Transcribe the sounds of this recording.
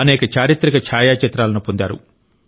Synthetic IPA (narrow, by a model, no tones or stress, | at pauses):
ɐnɛːkɐt͡ʃaːɾit̪ɾikɐt͡ʃʰaːjaːt͡ʃɐt̪ɾaːlɐnupond̪aːɾṵ